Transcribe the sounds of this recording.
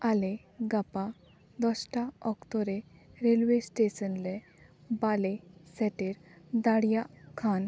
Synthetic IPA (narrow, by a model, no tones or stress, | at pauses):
ale | ɡapa | d̪ɔsʈaɔkt̪ɔɾeɾelʋesʈeɕənle | balesɛʈeɾd̪aɽjakʰan